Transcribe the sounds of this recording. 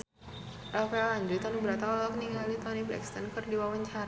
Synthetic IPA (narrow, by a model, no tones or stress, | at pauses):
ʔafɛlaɲd͡ʒujt̪ɔnibəɾat̪aɔlɔk̚niŋalit̪ɔnibɾɛ̰kst̪ankɨrdiwawaɲt͡ʃaɾa